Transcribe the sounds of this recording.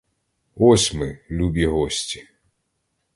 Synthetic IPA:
ɔsʲmɪlʲubʲiɦɔsʲtʲi̥

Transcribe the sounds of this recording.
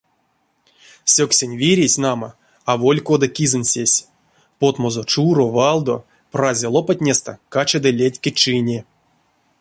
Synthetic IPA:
sʲoksʲenʲvʲiɾʲesʲnama | avolʲkod̪akʲizɨnʲsʲesʲ | pot̪mozot͡ʂuɾovalˠd̪o | prazʲelˠopat̪̚ʲnʲest̪a̰kat͡ʃad̪ɨlʲetʲkʲet͡ʂɨnʲe

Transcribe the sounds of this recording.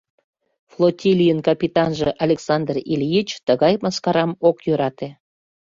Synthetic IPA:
flˠotʲilʲijənkɑpʲit̪ɑnʒĕʔɑlʲeksɑnd̪rilʲjit͡ɕt̪əɣɑjmɑskɑɾɑmokjøɾɑt̪e

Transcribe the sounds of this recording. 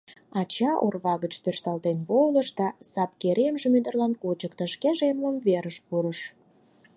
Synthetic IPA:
ɑt͡ɕɑʔorβɑɣət͡ɕt̪øʃt̪ɑlt̪enβoləʃd̪ɑsɑp̚keɾʔemʒemyd̪ərlɑnkot͡ɕəkt̪ə̆ʃkeʒemləmveɾəʃpuɾəʃ

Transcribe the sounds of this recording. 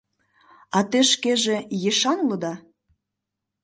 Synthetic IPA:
ɑt̪eʃkeʒejeʃɑnlod̪ɑ

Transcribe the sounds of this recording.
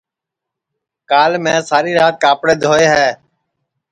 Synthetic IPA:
kaːlmẽːsaːɾiːɾaːt̪̚kaːpɽeːd̪ʱoːeːɦɛː

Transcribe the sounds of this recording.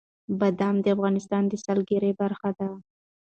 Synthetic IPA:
bad̪amd̪əafɣɑnɪst̪ɑnd̪əsalɡeɾebaɾxad̪a

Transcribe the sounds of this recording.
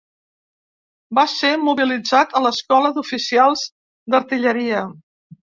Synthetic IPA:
basemuβilid͡zat̪ələskɔləd̪ufisialˠz | d̪əɾt̪iʎəɾiə

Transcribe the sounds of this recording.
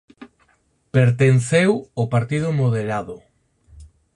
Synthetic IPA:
peɾt̪enθewopaɾt̪ið̞ʊmoð̞eɾaðʊ

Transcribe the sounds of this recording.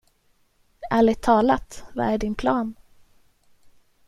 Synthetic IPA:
aɭɪt̪ʰɑːlat̪va̰æɖɪnpʰlɑːn

